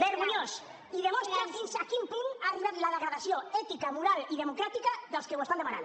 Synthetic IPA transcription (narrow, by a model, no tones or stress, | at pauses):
beɾɣuɲos | iðemost̪ɾazðinsʃakimpiŋariβat̪laðeɣɾaðasjoɛt̪ikamuɾaliðemokɾat̪ikaðəlˠskewesand̪emaɾa̰n